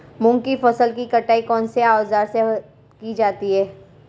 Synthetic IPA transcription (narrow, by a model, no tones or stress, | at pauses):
mʊ̃ŋɡkifɐsəlkikɐʈaːikɔːnseaːoːzaːɾse | kid͡ʒaːt̪iɦɛː